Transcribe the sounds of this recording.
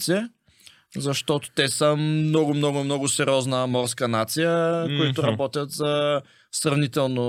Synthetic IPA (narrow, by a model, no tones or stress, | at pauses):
t̪siɛ | zɐʃt̪ɔt̪o̥t̪ɛsəmnɔɡʊmnɔɡʊmnɔɡʊsɛɾʲiɔznəmɔɾskənat̪sijəkʊit̪ʊɾɐbɔt̪ʲjət̪zə | sɾɐvnit̪ɛlˠno